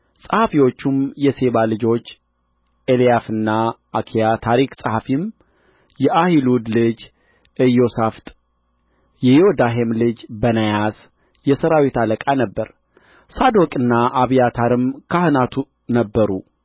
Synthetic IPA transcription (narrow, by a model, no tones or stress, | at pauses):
sʼəhafiwo̞t͡ʃːumjɛse̞βalɨd͡ʒo̞t͡ʃː | elijafɨnːaʔːkʰijat̪ʰaɾiksʼəhafim | jɛʔahilud̪lɨd͡ʒ | ʔɨjo̞saft̪ʼ | jɛjod̪aɦemlɨd͡ʒbənajas | jɛsəɾawit̪aləkʼanəbːəɾ | sad̪o̞kʼɨnːaʔaβijat̪ʰaɾɨmkʰahɨnat̪ʰu | nəbːəɾu